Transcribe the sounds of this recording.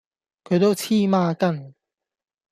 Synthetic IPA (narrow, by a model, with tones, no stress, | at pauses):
kʰe˨˧˩t̪o˥˧t͡ɕʰi˥˧˨ma˥˧ka˥˨n